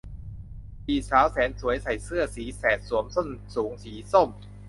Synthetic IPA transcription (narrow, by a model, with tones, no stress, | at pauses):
ʔiː˨˩saː˨˦wsɛː˩˦nsu˨˩˦əjsa˨˩jsɯ˥˩ɐəsiː˩˦sɛː˨˩t̪̚su˩˦əmso˥˩nsuː˩˦ŋsiː˩˦so˥˩m